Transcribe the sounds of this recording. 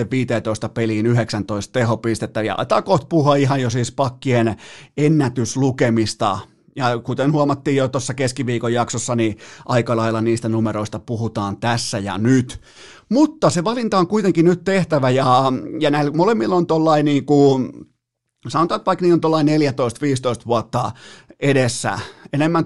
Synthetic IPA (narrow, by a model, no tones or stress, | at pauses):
eʋiːt̪eːt̪oist̪ɑpeliːnyheksænt̪oist̪̚t̪ehopist̪et̪ːæjɑ̰ɑ̰it̪ɑ̰ːkoht̪̚puhuɑiɦɑjjosiːspɑkːienenːæt̪yslukemist̪ɑ̰ | jɑkut̪enhuɑmɑt̪ːiːjjot̪osːɑkeskiʋiːkojjɑksosːɑniʔɑikɑlɑilːɑniːst̪ænumeɾoist̪ɑpuhut̪ɑːnt̪æsːæjɑ̰nyt̪ | mut̪ːɑseʋɑlint̪ɑoŋkuit̪eŋkinyt̪t̪eht̪æʋæjɑjɑnæilmolemːilːont̪olːɑiniːŋku | sɑnot̪ɑːt̪ʋɑikniːont̪olːɑineljæt̪oist̪ʋiːst̪oist̪ʋuɑt̪ːɑedesːæ̰enemːæn